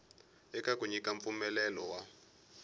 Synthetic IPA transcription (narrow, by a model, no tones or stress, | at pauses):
ɛkakuɲikaɱp̪fumɛlɛlɔwa